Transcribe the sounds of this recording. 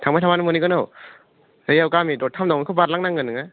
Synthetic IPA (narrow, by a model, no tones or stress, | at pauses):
tʰaŋmajtʰamanɯmɔnikɯnɯw | ɯjawkamidɔt̚kʰamdawmikʰɯbaɾlaŋnaŋɡɯnɯŋa